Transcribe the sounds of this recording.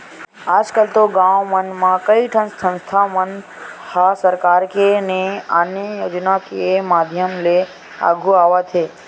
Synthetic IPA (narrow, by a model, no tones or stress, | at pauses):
aːd͡ʒkəlt̪oɡãːʋomənmãkəiʈʰənsə̃nst̪ʰamən | hasəɾkaːɾkeneanjəjoːd͡ʒnakemaːd̪ʱjəmle | a̰ːɡʱuaːʋat̪ʰeː